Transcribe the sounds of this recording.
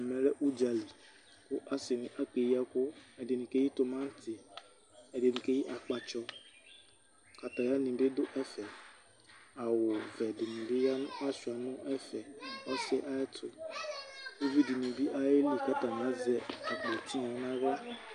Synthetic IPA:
mɛ̃˨ɾɛ˦ʔu˦d͡ʒa˨li˨ | kʊ˦ʔa˦sɪ˨nɪ̃˨ʔa˦ke˨ji˦a˦kʊ˦ɛ˨dɪ˨nĩ˨ke˦ji˦tʊ˨mã˦n˦tʰɪ˨ | ɛ˨dɪ˨nĩ˨ke˦ji˦ʔa˨k͡pa˨t͡ʃɔ˦ | ka˨ta˨ja˦nĩ˨bɪ˦dʊ˦ʔɛ˦fɛ˨ | a˨wʊ˨vɛ˨dɪ˨nĩ˨bɪ˦ja˦nʊ˦a˦sʊ˨a˨nʊ̃˦ɛ˦fɛ˨ɔ˦sɪ˦ʔa˦ɛ˦tʰʊ˨ | o˦vi˦di˨nĩ˨bi˦ʔa˦je˦li˨ka˦ta˨ñ˨a˦zɛ˨a˨k͡po˨tʰi˦a˨˦nã˦ɣɔ˦

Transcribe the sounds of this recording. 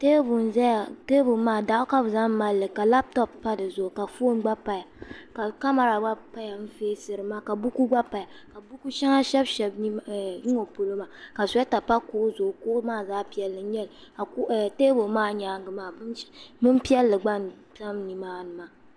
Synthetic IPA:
teː˦bʊ˨n˨za˦ja˨te˦bʊ˨maː˦˨da˨ʔʊ˦ka˦bza˦mːa˦lːɨ˨ka˨la˦b̚tɔ˦pːa˦dɨ˨zʊ˨ʔʊ˨ka˨fo˦nɡ͡ba˦pa˨ja˨ka˨ka˦ma˨ɾa˨ɡ͡ba˦pa˦ja˨m̩˦feː˦sɨ˨ɾɨ˨maː˦ka˨bu˦ku˦ɡ͡ba˦pa˨ja˨ | ka˨bu˦ku˦ʃɛ˦ŋa˦ʃɛ˦bʃɛ˨bni˦ŋo˨po˨lo˦ma˨ka˨sɛ˦ta˨pa˦kʊ˦ʔzʊ˨ʔkʊ˦ʔʊ˦maː˦zaː˦pi˨ɛ˨lːɨ˨˦ɲɛ˦lka˨˦˨teː˦bo˨maː˦ɲaː˨˦ŋɡɨ˨maː˦bɨ˦mpi˦ɛ˦lːɨ˨ɡ͡ba˦n | za˦mni˨maː˦nɨ˨ma˦

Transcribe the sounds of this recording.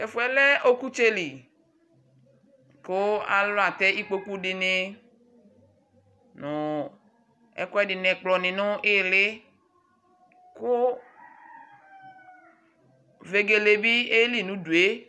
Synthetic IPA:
e˨fu˨ɛ˨lɛ˦ʔo˦ku˦t͡ʃe˦li˨ | kʊ˦a̰˨lɔ˦a˨t̪ɛ˦i˦k͡po˦ku˦ɖɪ˨nɪ˦ | nʊ̃˨ | ɛ̰˦kʊ˦ɛ˦dɪ˨nɛ̃˨k͡plɔ˨nɪ̃˨nʊ̃˦ʔɪ˦˨lɪ˦ | kʊ˦ | ve˨ɡe˨le˨bi˦e˦li˨nũ˨˦du˨e˦

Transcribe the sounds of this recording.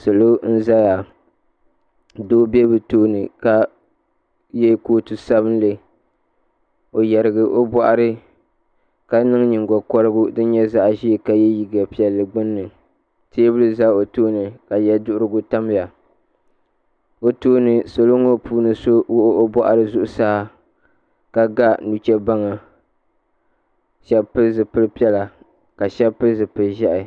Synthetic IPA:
so˨lo˦n̩˦za˦ja˨ | doː˦bɛ˦bɨ˨toː˦nɨ˨ka˨ | jɛ˦koː˦tu˨sa˦βɨ˦n˦lɨ˨ | o˨jɛ˨ɾɨ˨ɡɨ˨ʔo˦bɔ˦ʔa˨ɾɨ˦ | ka˦nɨ˦ŋ˦ɲɨ˨ŋɡɔ˨kɔ˦ɾɨ˦ɡʊ˦dɨ˦n˦ɲɛ˦za˦ʔʒi˦˨ka˨jɛ˦ji˨ɡa˨pi˨ɛ˨lːɨ˨ɡ͡bʊ˦nːɨ˨ | teː˦bɨ˦lɨ˦za˦o˨toː˦nɨ˨ka˨jɛ˦dʊ˦ʔʊ˦ɾɨ˦ɡʊ˦ta˦m˨a˨ | o˦toː˦nɨ˨so˨lo˦ŋo˦puː˦nɨ˨so˦wo˦ʔʔo˦bɔ˦ʔa̰˨ɾɨ˦zʊ˦ʔʊ˦saː˦˨ | ka˨ɡa˦nu˨t͡ʃɛ˦ba˦ŋa˨ | ʃɛ˦pɨ˦zɨ˨pɨ˦lɨ˦pi˦ɛ˦la˨ | ka˨ʃɛ˦pɨ˦lzɨ˨pɨ˨ʒɛ˦ʔɪ˨

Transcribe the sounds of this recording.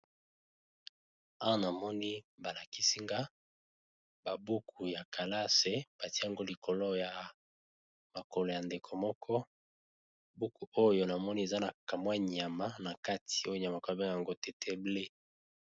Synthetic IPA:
a˦wa˦na˨mɔ˦ni˦ba˨la˨ki˦si˦ŋɡa˦ | ba˨bu˦kʰu˨ja˨kʰa˨la˦se˨˦b̥a˨ti˦ja˨ŋɡo˦li˨kʰo˨lo˦ja˨ | ma˨ko˨lo˨ja˨nde˨kʰo˨mɔ˦kʰɔ˦ | bu˦ku˨o˦jo˦na˨mɔ˦ni˦e˨za˦na˨ka˨mwa˦ɲ˨a˨ma˦na˨ka˦tʰi̥˨o˦jo˦ɲ˨a˨ma˨ko˦be˦ja˨ŋɡo˦te˨tʰe˦ble˦

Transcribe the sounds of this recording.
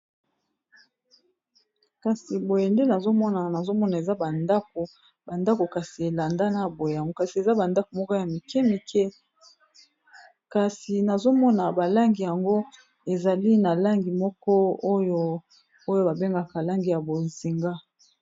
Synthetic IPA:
ka˨si˨bo˨je˨nde˦na˨zo˦mɔ˦na˨na˨zo˦mɔ˦na˨e˨za˦ba˨nda˦k̚o˨ | ba˨nda˦ko˨ka˨si˨e˨la˨nda˦na˦bo˨je˨ja˨ŋɡo˦ka˨si˨e˨za˦ba˨nda˦ko˨mɔ˦kɔ˦ja˨mi˨kɛ˦mi˨kʰɛ˦ | ka˨si˨na˨zo˦mɔ˦na˨ba˨la˦ŋɡi˨ja˨ŋɡo˦ | e˨za˨li˦na˨la˦ŋɡi˨mɔ˦kɔ˦o˦jo˦ | o˦jo˦ba˨be˦ŋɡa˨ka˨la˦ŋɡi˨ja˨bo˨zi˨ŋɡa˦

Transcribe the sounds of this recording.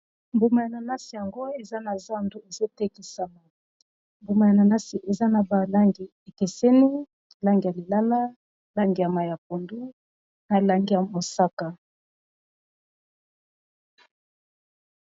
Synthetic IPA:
mbu˨ma˨ja˨na˨na˦si˨ja˨ŋɡo˦e˨za˦na˨za˦ndu˦e˨zo˦te˦ki˨sa˨ma˨ | mbu˨ma˨ja˨na˨na˦si˨ʔe˨za˦na˨ba˨la˦ŋɡi˨ | e˨ke˨sɛ˦ni˦ | la˦ŋɡi˨ja˨li˨la˦la˦ | la˦ŋɡi˨ja˨ma˨ja˨po˨ndu˦ | na˨la˦ŋɡi˦ja˨mo˨sa˦ka˨

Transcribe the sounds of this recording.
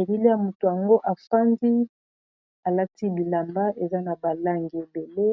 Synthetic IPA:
e˨bi˦li˦ja˨mu˨to˨ja˨ŋɡo˦ʔa˨fa˦ndi˦ | a˨la˦ti˦bi˨la˨mba˦ʔe˨za˦na˨ba˨la˦ŋɡi˨e˨be˨le˦

